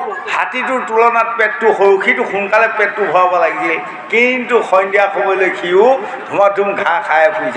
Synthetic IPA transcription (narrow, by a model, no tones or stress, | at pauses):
ha̰titʊɹtulɔnat̚pɛtːʊxoɹukʰitʊxunkalɛpɛtːubʱɔwabalaɡisɛ | kintʊxɔjndijakʰɔbɔjlojkʰijʊ | dʱumatumɡʱãkʰajɛpuzi